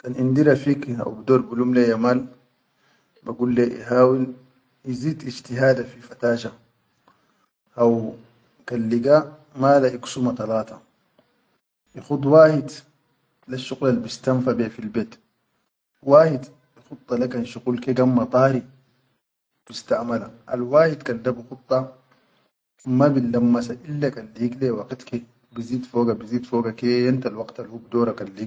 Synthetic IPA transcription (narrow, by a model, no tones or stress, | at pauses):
kanʔind̪iɾafiːka̰wbd̪oːɾbulumlejamaːl | baɡulːeʔḭɦaːwil | iziːd̪id͡ʒt̪iɦaːd̪afifat̪aːʃa | ʔaw | kalːiɡaː | malaʔiksumat̪ɑlaːt̪ɑ | ʔixud̪waːhid̪ | laʃːuɣlalbist̪amfabefilbeːt̪ | waːhid̪ | ixut̪ˤːɑlakanʃuqulkeɡamːɑt̪ˤɑːɾi | b̥ist̪aʔmalaʔa̰lwaːhid̪kand̪abixut̪ˤːɑ | mabilːamːasaʔilːakalːiɡlewaqit̪ke | biziːd̪foːɡabiziːd̪foːɡakejant̪alwɑɡt̪alhub̚d̪oːɾakalːiɡ